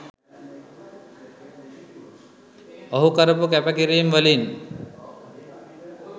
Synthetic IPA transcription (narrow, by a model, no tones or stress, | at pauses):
ɔɦukaɾɐpukɛpakiɾimʋəlin